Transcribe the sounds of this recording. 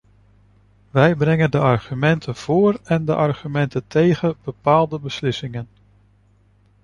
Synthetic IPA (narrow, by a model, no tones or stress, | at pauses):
ʋɛjbrɛŋəndəʔɑɹχymɛntʰənv̥ʊːrɛndəʔɑɹχymɛntəntʰejχəb̥əpaːlˠdəbəslɪsɪŋən